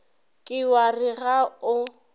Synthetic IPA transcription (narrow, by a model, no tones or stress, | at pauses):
kʼɪwariɣaʊ